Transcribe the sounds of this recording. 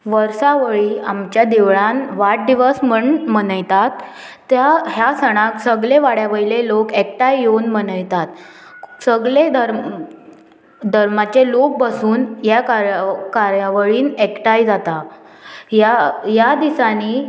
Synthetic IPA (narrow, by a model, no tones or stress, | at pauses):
ʋəɾsaʋəɭiamt͡ɕjad̪iʋɭãnʋaʈ̚d̪iʋəsməɳmənəjt̪at̪ː | jaɦjasəɽ̃aksəɡɭeʋaɽjaʋəilelokek̚ʈajjonmənəjt̪at̪səɡɭed̪ʱəɾ | d̪ʱəɾmat͡ɕelok̚basuːnjakaɾkaɾjaʋəɭiːnekʈajd͡zat̪a | jajad̪isani